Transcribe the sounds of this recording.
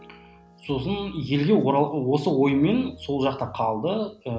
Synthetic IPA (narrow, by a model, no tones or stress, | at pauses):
so̞sənje̞lɡʲe̞wo̞səwo̞jme̞nso̞lˠʒɑqt̪ɑqʰɑlˠd̪ə